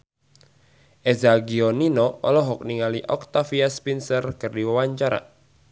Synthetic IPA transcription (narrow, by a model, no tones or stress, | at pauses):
ʔɛzaɡiɔninɔɔ̰lɔɦɔk̚niŋaliʔɔk̚t̪afiaspinsərkɨrdiwəwaɲt͡ʃaɾa̰